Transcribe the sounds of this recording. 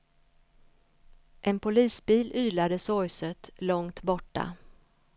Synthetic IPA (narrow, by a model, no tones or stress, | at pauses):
ʔɛnpʊliːsbiːlyːlad̪əsɔjsət̪lɔŋt̪bɔʈːa̰